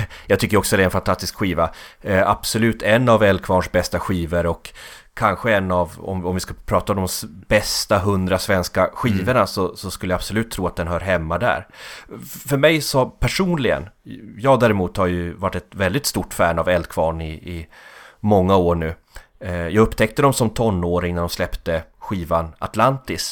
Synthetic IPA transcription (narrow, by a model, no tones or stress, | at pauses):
jɑɡt̪ʰʏkːəɾɔksɔɛd̪ɛnfant̪ʰast̪ɪskɧiːvaab̥sɔlʉ̟ːt̪ʰɛnːavɛld̪̚kʰvɑːɳʂbɛst̪aɧiːvəɾɔkʰː | anɧəɛnːavɔ̰mɔmvɪskɵpʰɾɑːt̪aɔd̪ɔmbɛst̪aɦɵnd̪ɾasvɛnskaɧiːvəɳasɔsɔskɵləjab̥sɔlʉ̟ːt̪ʰːɾuːat̪̚d̪ɛnɦœːɾɦɛmːad̪æ̰ɾ | fœɾmɛjsɔpʰæʂuːnlɪɡə̰njɑːɡd̪æːɾɪmuːt̪haɾjɵvaʈːɛt̪vɛld̪ɪt̪st̪uːʈːfæːɳavɛld̪̚kʰvɑːɳɪʔɪmɔŋːaoːɳʉ̟ː | jɑːɡɵpːt̪ʰɛk̚t̪əd̪ɔmsɔmt̪ʰɔnːoːɾɪŋnæɖɔmslɛpt̪əɧiːvana̰t̪lant̪ɪs